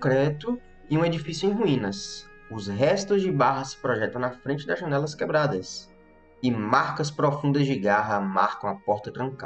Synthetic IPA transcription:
kɾɛt̪ʊ | ɪũed͡ʒifisjuẽj̃ɦuĩnɐs | ʊzɦɛst̪ʊzd͡ʒɪbaɦɐsɪ̥pɾɔʒɛt̪ɐ̃w̃nɐfɾẽnt͡ʃɪd̪ɐzʒɐ̃nɛlɐskɛbɾad̪ɐs | ɪmaɾkɐspɾofũnd̪ɐzd͡ʒɪɡaɦɐma̰ɾkɐ̃w̃ɐpɔɾt̪ɐt̪ɾɐ̃ŋka

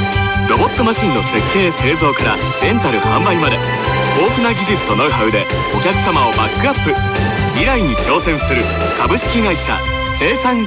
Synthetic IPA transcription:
ɾo̞bo̞t̪ːo̞maɕĩnːo̞se̞kʰːe̞ːse̞ːzo̞ːkaɾa | d̪ẽ̞nt̪aɾɯohãmbaɲ̟imad̪e | o̞ːkɯ̟naɡʲiʑit͡sɨ̥t̪o̞naɯ̟ɦaɯ̟d̪e̞ | o̞kʲakɯ̟̥samao̞bakːɯ̟apːɯ̟ | miɾaiɲ̟it͡ɕo̞ːsẽ̞ɰ̃sɨɾɯ̟ | kabɯ̟ɕi̥kʲiɡaiɕa̰ | se̞ːsãŋ

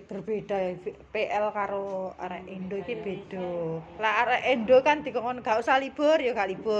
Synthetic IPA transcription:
b̥ərb̥ed̪̥a̤peʔɛlkaɾoa̰ɾɛʔenɖoikib̥ed̪̥ɔlaːɾɛʔenɖokand̪̥i̤kɔŋɔnɡ̥ausalib̥ɔrjoɡalib̥ɔ

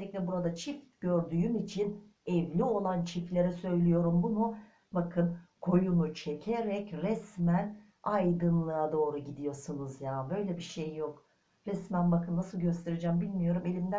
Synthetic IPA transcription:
ɛclʲɛbuɾad̪at͡ʃʰifɟø̞ɾd̪yːymit͡ʃʰin | ɛvlʲio̞lˠant͡ʃʰiflʲe̞ɾɛsø̞jlʲijo̞ɾumbunu | bakʰɯnkʰo̞junut͡ʃʰecʰeɾɛcɾɛsmæn | ajd̪ɯnlˠɯad̪o̞ːɾuɟid̪ijo̞sunuzjaːbø̞jlʲɛbiʃejːo̞k | ɾɛsmænbakɯnnasɯlˠɟø̞st̪ʰe̞ɾed͡ʒæmbilʲmijo̞ɾume̞lʲimd̪æ

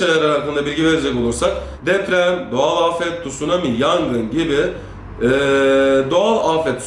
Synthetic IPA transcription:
ajaɾɯɾakːɯnd̪abiɾʲɟiveɾed͡ʒɛco̞lˠuɾsak | d̪ɛpɾæmd̪oalˠafɛt̪d̪usunamijaŋɡɯnɟibɪ | d̪oalˠafɛt̪s

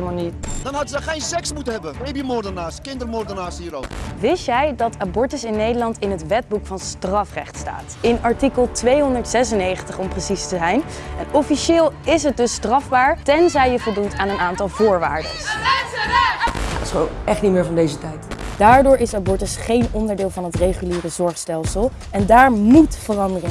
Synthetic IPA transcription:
lmanitd̥ɑnɦɑdəzəχejnsɛksmutəɦɛbəbejbimʊrdənaːskɪndərmɔːrdənaːshiːɾo̰pʋɪsjɛjdɑtabɔɹtəsɪnːejdəlɑntɪnɦətʋɛd̚bukfɑnstrɑfrɛ̰χtsta̰ːtɪnɑɹtikəlˠtʋejɦɔndəɹtsɛsənːejχəntəχɔmprəsistəzɛjn | ɛnɔfiʃɪːlˠɪs̬ɦət̚dɵstrɑvbaːɹtɛnzɛjjəvɔlˠduntaːnənaːntɑlˠvʊːɹʋa̰ːɹdə̰s | a̰dɪsʋo̰nɛχtnitmɪːɹvɑndejzətɛjtd̥aːɹdʊːɹɪsabɔɹtəsχejnɔndəɹdɪːlˠvɑnɦətrejχyliːrəzɔɹχstɛlˠsəlˠ | ɛndaːɹmutfərɑndərɪŋ

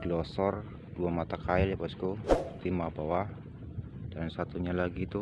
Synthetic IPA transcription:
ɡlɔsɔr | duamat̪akaɪljabaskut̪imabawa | d̥ansat̪uɲalaɡit̪u

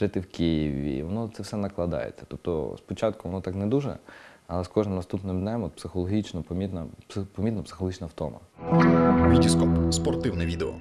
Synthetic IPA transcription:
ʒ̥ɪt̪ɪwkʲijiʋʲḭʋɔnɔt̪sɛwsɛnɐklˠɐd̪ɑ̰jḛt͡sʲːɐ̥t̪ɔp̚t̪ɔ̰spɔt͡ʃɑt̪kʊʋɔnɔt̪ɑknɛd̪uʒɛ̰ɐlˠɛskɔʒnɪmnɐst̪upnɪmd̪nʲɛmɔt̪̚psɪxɔlˠɔɦʲit͡ʃnɔpɔmʲit̪nɐppɔmʲit̪nɐpsɪ̥xɔlˠɔɦit͡ʃnɐwt̪ɔ̰mɐ̰ | ʋʲidʲiskɔpspɔrt̪ɪwnɛʋʲid̪ɛɔ̰

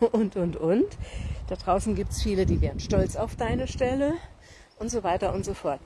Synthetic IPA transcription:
ʔʊntʔʊntʔʊntd̥adʁaʊsn̩ɡiːp̚tsfiːlədiːveːʁn̩ʃtɔlt͡saʊfd̥aɪnəʃtɛlə | ʔʊntz̥ovaɪtɐʔʊntz̥ofɔɐt

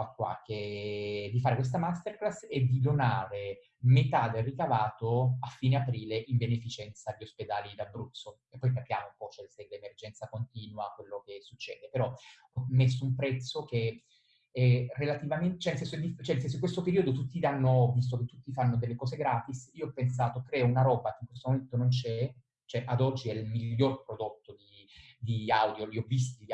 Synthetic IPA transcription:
akːwa̰ke | d̪ifaːɾekwes̬t̪amast̪erklased̪ːid̪onaːɾe | met̪ad̪elrikavaːt̪oafːiːneapɾiːleʔimbenefit͡ʃɛnt̪saʎːiosped̪aːlid̪abɾut̪so | epːɔjkapja̰ːmoumpɔt͡ʃɛselemerd͡ʒɛnt̪sakont̪iːnwakwelːok̟esːut͡ʃːɛ̰ːd̪epeɾɔ | ɔmːes̬ːoumpɾɛt̪sːoke | ɛrːelat̪ivament͡ʃɛnelsɛnsod̪ift͡ʃɛnesɛns̬oiŋkwest̪opeɾiːod̪ot̪ut̪ːid̪anːovis̬t̪oket̪ːut̪ːifanːod̪elːekɔːzeɡɾaːt̪isiːoɔpːens̬aːt̪okɾɛːounaɾɔːbakeiŋkwest̪omoment̪onont͡ʃɛ | t͡ʃoɛʔad̪ɔd͡ʒːiɛilmiʎːorpɾod̪ot̪ːod̪i | d̪iawd̪joliɔvːis̬t̪i

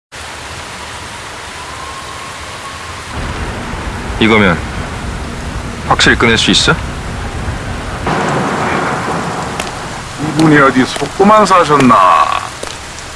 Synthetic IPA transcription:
iɡʌmjʌn | ɸwak̚ɕ͈iɭk͈ɯnɦeɭs͈uis͈ʌ | ibuniʌdisʰok̚k͈umans̬ʰaɕʰʌnːa̰

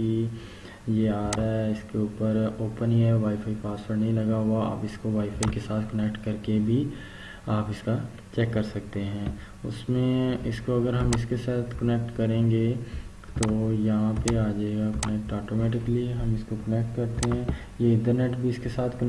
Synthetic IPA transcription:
i | jeaːɾɛɪskeuːpəɾoːpəniɦɛʋaːifʰaːipaːsfəɾnɐɦĩlɐɡaɦwaa̰ːpɪskoʋaːifʰaːikesaːt̪ʰkɐnɛkʈkɐɾkebʱi | aːpɪska | t͡ʃɛːkːɐɾsɐk̚t̪eɦɛ̃ː | ʊ̰smẽɪskoɐɡəɾɦɐmɪskesaːt̪ʰkɐnɛk̚ʈkɐɾẽːŋɡe | t̪oːjɐɦãpeaːd͡ʒaːeɡakɐnɛk̚ʈaːʈomɛːʈɪkəliɦɐmɪskokɐnɛk̚ʈkɐɾʈt̪eɦɛ̃ː | jeɪ̃ɳʈəɾneːʈbʱiɪskesaːt̪ʰkə

